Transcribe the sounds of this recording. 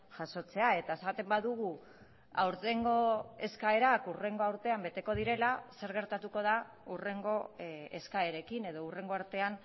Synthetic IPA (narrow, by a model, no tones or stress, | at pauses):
ʝaso̞t͡se̞ae̞t̪ae̞sat̪e̞mbaðuɣ̞u | a̰wɾt̪e̞ŋɡo̞e̞skae̞ɾakure̞ŋɡo̞awɾt̪e̞ambe̞t̪e̞ko̞ð̞iɾe̞lase̞ɾɣe̞ɾt̪at̪uko̞ð̞a | ure̞ŋɡo̞ḛskaeɾe̞kine̞ð̞o̞ure̞ŋɡo̞aɾt̪e̞an